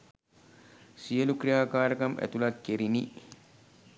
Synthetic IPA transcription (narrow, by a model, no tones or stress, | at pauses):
sijəlukrijaːkaːɾɐkɐmʔæ̰t̪ulɐkːeɾini